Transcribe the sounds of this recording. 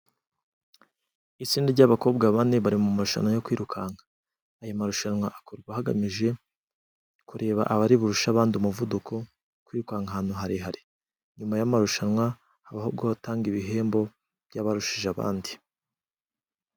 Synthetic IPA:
it͡siːndiɾɟaβako̞ːb̚ɡaβane̞βaɾimumaɾuʃa̰nwajokwiːɾukʰaːŋaː | jomaɾuʃanwaʔakoɾɡwahaɡa̰miʒe̞ | kuɾʔe̞ːβa̰ʔaβaɾiβuɾuʃaβaːndiumuvudukʰo̞ | kwiːɾukaŋɡaɦaːnhuɦaɾiɦaɾi | ɲumajamaɾuʃanwa | haβahob̚ɡotaːŋɡiβiɦe̞ːmbo̞ | b̥ɟaβaɾuʃiʒaβa̰ːndi

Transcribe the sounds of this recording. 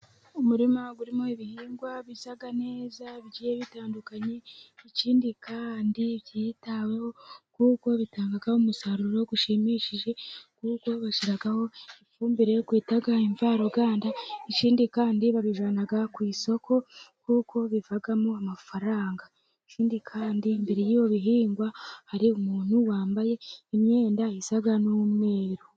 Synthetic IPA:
omuɾimaɡuɾimoiβihiːŋɡwaβisaɡane̞ːzaβiɟijeβitaːndukaɲeːciːndikaːndiβjiːtawe̞ho̞kuːko̞βitaːŋɡaɡahomusaɾuɾoɡuʃimiʃiʒe̞kuːkwo̞βaʃiɾaɡaho̞ifuːmbiɾejokwiːtaɡaiɱvaɾoɡaːndait͡ʃiːndikaːndiβaβiʒaːnaɡakwiːso̞kʰo̞kuːkʰo̞βivaɡamoamafaɾaːŋɡa | et͡ʃiːndikʰaːndimbiɾijijo̞βiɦiːŋɡwahaɾiumuːn̥uwaːmbaje̞ime̞ːndaisaɡanumwe̞ːɾo

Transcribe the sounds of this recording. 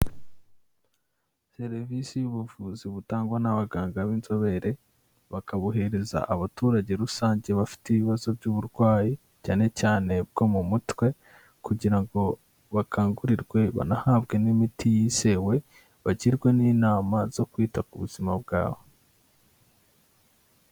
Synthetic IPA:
se̞ɾvisijuβuvuːziβutaːŋɡwanaβaɡaːŋɡaβiːnzo̞βe̞ɾe̞ | βakaβoɦe̞ɾe̞za̰ʔaβatuːɾaɟe̞ɾusaːɲɟe̞βafi̥tiβiβazo̞bɟuːβuɾɡwaːji | caːne̞caːne̞b̚ɡ̥o̞mumutwe̞ | kuɟiɾaŋɡo̞ | βakʰaːŋɡuɾiɾɡwe̞βa̰nahabɡe̞nimitʰijise̞we̞ | βaɟiɾɡwe̞niːnaːmaz̥o̞kwiːtakuβuz̥imab̚ɡa̰ːβo̞

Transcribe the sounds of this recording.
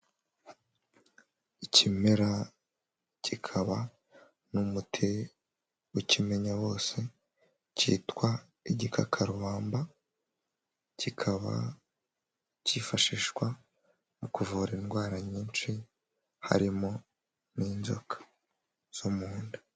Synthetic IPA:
icʰimeɾa | cʰikʰaβa | numutʰe | wucime̞ɲaβo̞ːse̞ | cḭːtkwa | iɟikʰakʰaɾuβaːmba | cikʰaβa̰ | cifaʃiʃwa | nokuvuːɾenɡwaːɾaɲiːnt͡ʃi | ha̰ɾimo | niːnzo̰kḁ | z̥umuːndḁ

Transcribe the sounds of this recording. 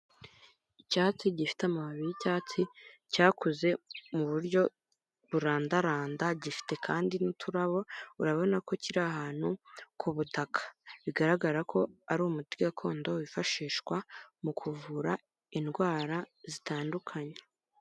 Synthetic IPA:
icaːt͡siɟifi̥tamahaβijicaːt͡sicaːkʰuze̞muβuɾɟo̞ | βuɾaːndaɾaːndaɟifi̥te̞kʰaːndinutʰuɾaβo̞uɾaβo̞nako̞ciɾaɦaːn̥hukʰuβutakʰḁβiɡaɾaɡaɾakʰo̞aɾumutiɡakʰo̞ːndo̞wifaʃiːʃkwamukʰuvuɾa | inɡwaːɾazitaːndukʰaɲe̥

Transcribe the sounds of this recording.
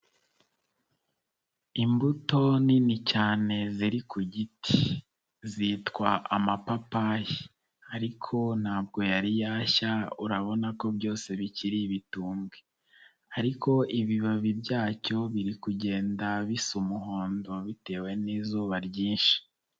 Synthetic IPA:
imbuto̞ninicaːne̞ziɾikʰuɟiti̥ | zitkwaʔamapapaji | aɾikʰo̞n̥haːb̚ɡo̞jaɾijaːçauɾaβo̞nako̞bjo̞ːse̞βiciɾiβituːŋɡwe | aɾikʰo̞ʔiβiβaβibɟaːco̞βiɾikuɟe̞ːndaβisumuɦo̞ːndo̞βite̞ːweniːzuːβaɾɟiːnʃi̥

